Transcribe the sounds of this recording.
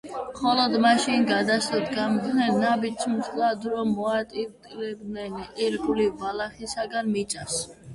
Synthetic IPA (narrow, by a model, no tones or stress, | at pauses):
mχɔlɔd̪maʃinɡad̪asat̪ʰɡamd̪nɛnːabit͡ʃsʰmʃʰlad̪ɾɔmːɔat̪ʼit̪ʼlɛb̚nɛniɾɡulivalaχisaɡanmit͡ʃ̪ʼas